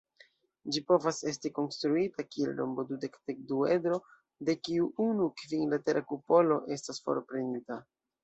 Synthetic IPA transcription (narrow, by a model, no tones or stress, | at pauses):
d͡ʒipo̞vase̞s̬tiko̞nstɾuitakiḛlno̞̰mbo̞dude̞kdek̚duedɾo̞ | de̞kiuunukviŋlate̞ɾʔakupo̞lo̞ʔe̞stasfo̞̰ɾpɾe̞nita